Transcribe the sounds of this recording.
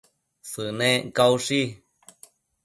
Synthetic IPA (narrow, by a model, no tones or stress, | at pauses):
sɨnẽkawʂi